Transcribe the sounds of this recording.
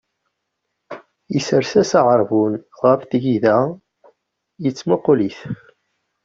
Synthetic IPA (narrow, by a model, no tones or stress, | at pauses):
isəɾsæsɑʁəɾˤvunʁəfθʝiðæ | jət͡sːmoqːoliθ